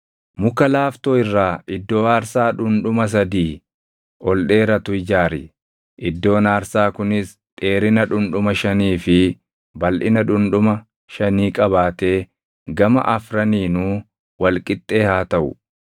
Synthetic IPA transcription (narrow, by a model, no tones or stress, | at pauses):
mʊkɐlaːft̪oːɪrːaːɪd̪ːo̞ːaːɾsaːᶑʊnᶑʊmɐs̬ɐd̪iː | ɔlɗe̞ːɾɐt̪ʊɪd͡ʒaːɾɪ̰ | ʔɪd̪ːo̞ːnaːɾsaːkʊnɪs | t̪ʼe̞ːɾɪnɐᶑʊnᶑʊmɐʃɐniːfɪ | bɐlʔɪnɐᶑʊnᶑʊmɐ | ʃɐniːkʼɐβaːt̪e̞ː | ɡɐmɐ̰ʔɐfɾɐniːnuː | wɐlkʼɪt̪ʼːe̞ːhaːt̪ɐʔʊ̰